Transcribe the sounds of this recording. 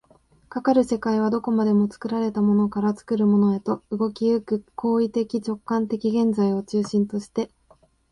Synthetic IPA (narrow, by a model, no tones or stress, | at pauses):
kakaɾɯ̟se̞kaiβ̞ad̪o̞ko̞mad̪e̞mo̞t͡sɨ̥kɯ̟ɾaɾe̞t̪amo̞no̞kaɾat͡sɨ̥kɯ̟ɾɯ̟mo̞no̞e̞t̪o̞ɯ̟ɡo̞kʲiɯkɯ̟kʰo̞ːit̪e̞kʲit͡ɕo̞kːãnt̪e̞kʲiɡẽ̞nzaio̞t͡ɕɨːɕĩnt̪o̞ɕi̥t̪e̞